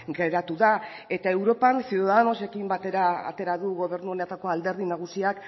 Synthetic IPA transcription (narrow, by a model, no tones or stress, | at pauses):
ɡeɾat̪uðae̞t̪ae̞wɾo̞pansiðaðanose̞kimbat̪eɾa̰ːt̪e̞ɾaðuɣo̞β̞e̞ɾnuonet̪ako̞ald̪e̞ɾðinaɣ̞usiak